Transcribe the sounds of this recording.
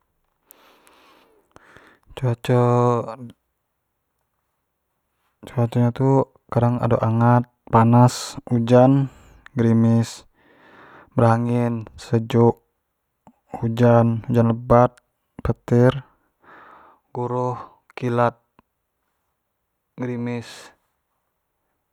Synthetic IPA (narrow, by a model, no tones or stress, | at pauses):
t͡ʃt͡ʃɔ | t͡ʃuat͡ʃɔɲat̪u | kaɾaŋa̰do̰ʔaŋat̪̚panasud͡ʒan | ɡɾimɪs | bəɾaŋinsəd͡ʒuʔ | ud͡ʒanud͡ʒanləbat̪̚ | pət̪ɪr | ɡ̥uɾuh | kilat̪̚ | ɡɾimɪs